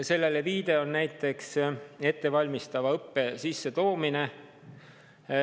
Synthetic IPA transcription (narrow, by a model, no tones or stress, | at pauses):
se̞lːe̞le̞viːd̪̥e̞onnæjt̪ːˑe̞kse̞t̪ːe̞vɑlʲmist̪ɑvɑɤpːe̞sisːe̞t̪o̞ːmine̞